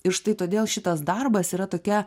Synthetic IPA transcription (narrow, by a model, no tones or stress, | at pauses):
ɪɾʃt̪ɐɪt̪oːd̪ʲeːlˠʃʲɪt̪ɐsd̪ɐrbɐsiːɾɐt̪oːkʲɛ